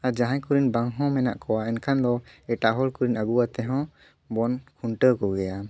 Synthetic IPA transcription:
ad͡ʒaɦãjkuɾinbaŋɦɔ̃mɛna̰ʔkɔwaɛnkʰand̪ɔɛʈaʔɦɔlkuɾinaɡuwat̪ɛɦɔ̃ | bɔnkʰuɳʈəkɔɡɛja

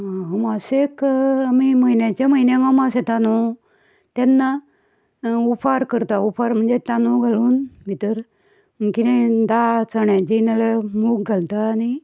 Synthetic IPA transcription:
ɦəmasekamiməinjãt͡ɕeməinẽɡəmaset̪anu | t̪janːa | upʰaɾkəɾt̪aufʰaɾm̤əɳd͡zet̪anuɡʱaluːnbʱit̪əɾ | kit̪ẽd̪at͡səɳjãd͡ʑinalemuk̚ɡʱalt̪aːni

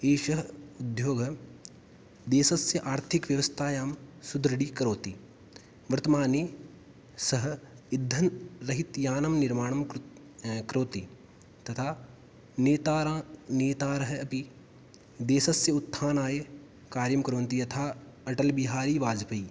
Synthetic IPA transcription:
eːʃɐɦʊd̪ʱjoːɡ | d̪eːsɐsjɐʔaːɾt̪ʰɪkʋjɐʋəst̪ʰaːjaːmsʊd̪ɾɐɽiːkɐɾoːt̪i | ʋɐɾt̪ɐmaːneː | sɐɦ | ɪd̪ʱːɐnɾɐɦɪt̪jaːnɐmnɪɾmaːɳ̃ɐm | kɾoːt̪i | t̪ɐt̪ʰaː | neːt̪aːɾneːt̪aːɾɐɦɐpi | d̪eːsɐsjɐʊt̪ʰːaːnaːje | kaːɾjɐmkɾõːnt̪ijɐt̪ʰaː | ɐʈɐlbɪɦaːɾiːʋaːd͡ʒpɐiː

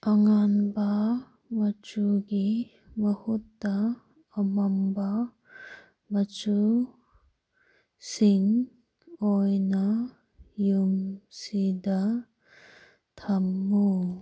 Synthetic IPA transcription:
ʔaŋanba | mat͡ʃuɡi | məhut̪ːaː | mamba | mat͡ʃu | siŋ | ɔjna | jumsid̪a | t̪ʰamːu

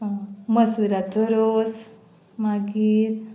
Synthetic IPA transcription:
məsuɾat̪oɾos | maɡiːt̪

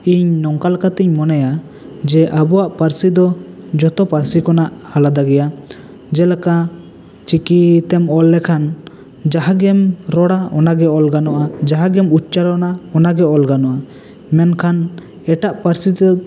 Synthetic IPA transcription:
iɲnɔŋkalkat̪iɲmɔnɛja | d͡ʒɛʔabɔwaʔpaɾsid̪ɔ | d͡ʒɔt̪ɔpaɾsikɔnaʔhalad̪aɡɛja | d͡ʒɛlaka | t͡ʃikit̪ɛmɔlːɛkʰan | d͡ʒaɦaɡɛmɾɔɽaɔnaɡɛɔlɡanɔʔad͡ʒaɦaɡɛmut̚t͡ʃaɾɔnaɔnaɡɛɔlɡanɔʔa | mɛnkʰan | ɛʈaʔpaɾsit̪ɛ

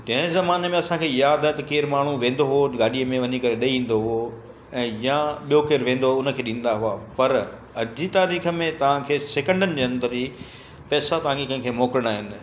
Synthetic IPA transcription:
d͡ʑɐ̃ɦzɐmaːnemẽɐsãkʰeːjaːd̪aɦɪ̃t̪ɐkeːɾmaːɳ̤uʋẽːn̆d̪oɦʊoɡaːɗiəmẽʋɐɲikɐɾeɗɐiĩːn̆d̪oɦʊo | ɛ̃ːjaɓijokeːɾʋẽːn̆d̪oɦoʊnə̆kʰeːɗĩːn̆d̪aɦuapɐɾ | ɐd͡ʑit̪aːɾiːxə̆mẽt̪ɐʋ̤ãkʰeːseːkə̃ɳɖənɪ̆d͡ʑeːɐ̃nd̪əɾi | pɛːsat̪ɐɦãːŋɡikə̃nkʰeːmoːkɾəɽ̃aːɦɪnɪ̆

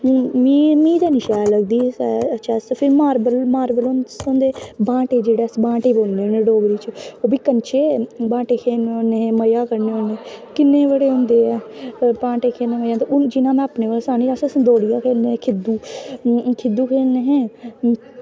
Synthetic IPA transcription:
miːmĩːd̪aːnɪʃɛːləɡd̪iːsətːʃʰɛːspʰɪɾmaːɾbəlmaːɾbəlonsõːnd̪eːbãːʈeːd͡ʒeːɽɛːsbãːʈeːboːlneːoneːɖoːɡɾiːt͡ʃoːbiːkənt͡ʃʰeːbãːʈeːkʰeːnːnẽːməjaːkəɾneːoːneːkɪnːeːʋəɽeːɦʊ̃nd̪eːɛːpãːʈeːkʰeːnẽːməjaːnt̪eʊnd͡ʒɪnãːmɛ̃ːəpneːʋəːlãsaːniːaːssd̪oːɽijaːkʰeːeːkʰɪd̪uː | kʰɪd̪uːkʰeːneɦẽː

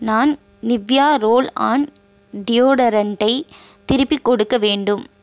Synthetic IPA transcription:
naːn | nɪʋjaːɾoːla̰ːn | ɖɪjoːɽɐɾɐɳʈɐɪ | t̪ɪɾɯpːikːɔɽɯkːɐʋeːɳɖɯm

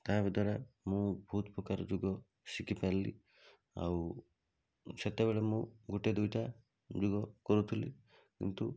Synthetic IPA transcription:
t̪abid̪ʱɔɾamũbʱuːt̪pɾɔkaɾɔd͡ʒuɡɔ | sikipaɾlḭ | a̰w | set̪ebeɭemũɡuʈed̪ujʈa | d͡ʒuɡɔkɔɾut̪ʰilḭ | kḭnt̪u

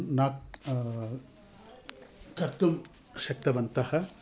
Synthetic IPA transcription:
naːk | kɐɾt̪um | ʃɐk̚t̪ɐʋɐnt̪ɐhɐ̆

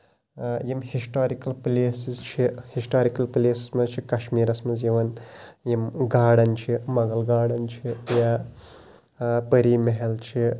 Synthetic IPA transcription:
jimhisʈaːɾikɐlpleːsizt͡ʃʰihisʈaːɾikɐlpleːsi̥smɐzt͡ʃʰikɐʃmiːɾɐsmɐzjiʋɐnjimɡaːɽɐnt͡ʃʰimɐɡɐlɡaːɽɐnt͡ʃʰija | pɐɾiːmeɦɐlt͡ʃʰi

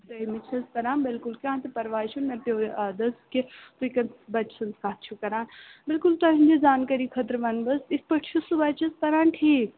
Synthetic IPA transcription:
sɐimɪt͡ʃʰɐskɐɾãːnbɪlkʊlkʲãːt̪epɐɾʋaːʃunmɐpʲjoːɾʔaːd̪ɐsket̪uikɐnbɐt͡ʃsɐnskaːt̪̚t͡ʃʰukɐɾaːnbɪlkʊlt̪ɐɦĩnd͡ʒezaːnkɐɾiːkʰɐt̪ɾʋɐnbɐsɪspɐʈt͡ʃʰusubɐt͡ʃʰɐsk̪ɐɾãːnʈʰiːk

